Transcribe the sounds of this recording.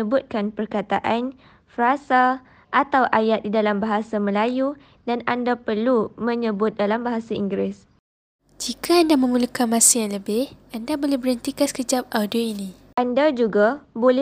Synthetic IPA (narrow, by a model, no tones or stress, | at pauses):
əbʊt̪̚kanpərkat̪aʔan | fɾasa | ʔat̪awʔajat̪̚didalambaɦasamə̃laju | danandapərlumə̃ɲəbʊt̪̚dalambaɦasaiŋɡɾɪs | d͡ʒikʰaːndamə̃mulukanmãsijaŋləbɪhandabolɛhbəɾənt̪ikaskəd͡ʒap̚ʔawdioini | ʔandad͡ʒuɡabolɛ